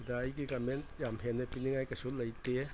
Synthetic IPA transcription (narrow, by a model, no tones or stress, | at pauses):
daːjɡikɐmentjamɦenːɐpiniŋajkɐsulɐjte